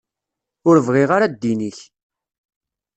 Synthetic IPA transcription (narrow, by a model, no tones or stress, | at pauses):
ʊɾəvʁɪʁaɾad̪ːiniç